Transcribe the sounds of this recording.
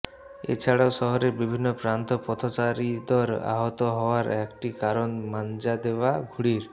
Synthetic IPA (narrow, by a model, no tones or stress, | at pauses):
ḛt͡ʃʰaɽawsɔɦɔɾeɾbibʱinːɔpɾant̪ɔpɔt̪ʰɔt͡ʃaɾid̪ɔɾa̰ɦɔt̪ɔɦɔoaɾɛkʈikaɾonmand͡ʒad̪ebaɡʱuɽiɾ